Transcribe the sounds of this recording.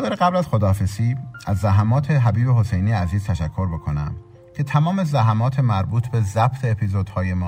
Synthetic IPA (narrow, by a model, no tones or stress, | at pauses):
d̪ɒːɾeɣæblæzxo̞d̪ɒːfesiːæzːæɦæmɒːt̪ʰe̞ɦæbiːbeɦo̞se̞jnijeæziːz̥t̪ʰæʃækʰːo̞ɾbo̞kʰo̞næ̰m | cʰe̞t̪ʰæmɒːme̞zæɦæmɒːt̪ʰemæɾbuːt̪ʰbe̞zæb̥t̪ʰeːpʰizod̪hɒːje̞mɒː